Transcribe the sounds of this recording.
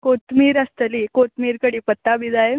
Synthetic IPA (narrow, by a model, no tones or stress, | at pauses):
kot̪miːɾəst̪əlikot̪miːɾkəɽiːpət̪ːabid͡zaje